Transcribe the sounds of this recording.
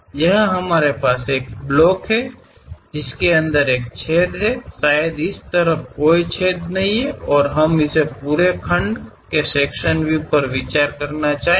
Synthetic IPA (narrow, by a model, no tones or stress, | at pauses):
jəɦɦɐmaːɾepaːseːk̚blɔːkɦɛ | d͡ʒɪskeɐ̃nd̪əɾeːk̚t͡ʃʰeːd̪ɦɛsaːjəd̪ɪst̪əɾəfkoːit͡ʃʰeːd̪nɐɦĩɦɛɔːɾɦɐmɪsepuːɾekʰə̃ɳɖkeseːkʃənbʱipəɾʋɪt͡ʃaːɾkəɾnat͡ʃaːɦ